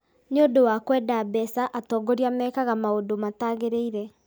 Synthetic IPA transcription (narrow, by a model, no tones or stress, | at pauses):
nondowakwɛdabɛsaʔatɔːɡoɾiamɛkaɣamaodomataːɣeɾeiɾɛ